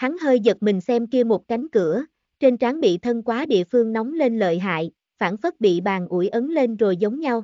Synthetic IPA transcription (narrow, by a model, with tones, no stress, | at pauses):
t̪ʰa˨˦ŋhəː˧jzə˨˩t̚mï˨˩ŋ̟sɛ˧mki˧əmo˨˩t̚ka˨˦jŋ̟kɨ˧˩ə | t͡ɕe˧nt͡ɕaː˨˦ŋɓḭ˧˨t̪ʰə˧nkwaː˨˦ɗḭ˧˨əfɨ˧əŋnɔ˨˦wŋ͡mle˧nlə̰ː˧˨jɦa̰ː˧˨j | faː˧˩nfə˦˥t̚ɓḭ˧˨ɓaː˨˩nʔu˧˩əjʔə˨˦nle˧nzo˨˩jzə˨˦wŋ͡mɲa˧w